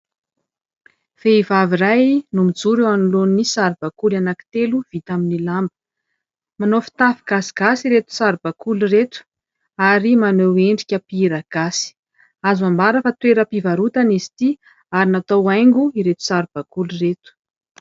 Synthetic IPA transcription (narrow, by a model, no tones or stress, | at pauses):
v̥eivavirajnumid͡zuɾewanulonnisaɾib̥akulanaki̥t̪eluv̥it̪aminilambə̥ | manofi̥t̪afiɡ̥asi̥ɡ̥asiɾet̪u̥saɾb̥akuliret̪u̥ | aɾimaneweɳɖ͡ʐikʲəpiiɾaɡ̥asi̥ | azambaɾəfat̪weɾəpivaɾut̪anizi̥t̪i | aɾinat̪awajŋɡuiɾet̪u̥saɾb̥akuluret̪u̥